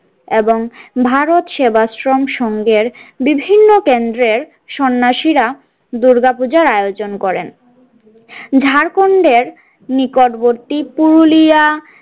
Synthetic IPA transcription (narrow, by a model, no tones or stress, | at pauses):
eboŋbʱaɾot̪ʃebasɾomʃɔŋɡeɾbibʱinːokend̪ɾeɾ | ʃɔnːaʃiɾa | d̪uɾɡapud͡ʑaɾajod͡ʑonkɔɾen | d͡ʑʱaɾkoɳɖeɾ | nikoʈboɾʈipuɾulija